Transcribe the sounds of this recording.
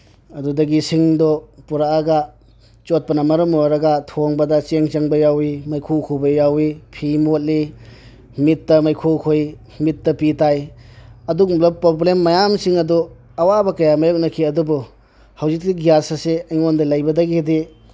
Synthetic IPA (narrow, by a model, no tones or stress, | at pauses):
ɐdudɐɡisiŋdɔpuɾaːɡa | t͡ʃot̚pɐnɐmɐɾɐmojɾɐɡɐtʰoŋbɐdɐt͡ʃeŋt͡ʃɐŋbɐjawimɐjkʰuwkʰubɐjawipʰimot̚li | mit̚dɐmɐjkʰowkʰoj | mit̚ːɐpitajɐduɡumblɐpɾoblemːɐjamsiŋɐdɔ | ɐwabɐkɐjamɐjok̚nɐkʰiɐdubu | hɐwzik̚ːiɡijasɐseɐjŋondɐlɐjbɐdɐɡidi